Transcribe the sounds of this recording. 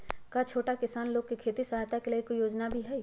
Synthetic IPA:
kat͡ʃʰoːʈakɪsaːnloːɡ̚kikʰeːt̪isɐɦat̪akeleekoijoːd͡ʒnabʱiɦɛː

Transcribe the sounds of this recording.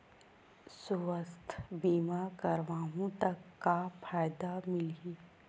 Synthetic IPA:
sʊʋəst̪ʰbiːmakəɾʋaːɦũt̪əkːafʰaːjd̪amɪliː

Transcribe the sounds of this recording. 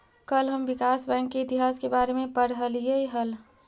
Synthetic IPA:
kəlɦəmʋɪkaːsbɛ̃ːŋkːeɪt̪iɦaːskebaːɾemẽpəɾɦəljeiɦəl

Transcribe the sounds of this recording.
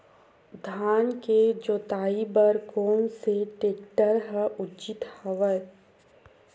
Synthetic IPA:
d̪ʱaːnked͡ʒoːt̪aːibəɾkoːmseʈeːkʈəɾɦɛʔʊt͡ʃɪt̪həʋə

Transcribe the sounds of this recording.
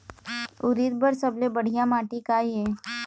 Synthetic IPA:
ʊɾiɾbəɾsɐblebəɽ̤ijamaːʈikaieː

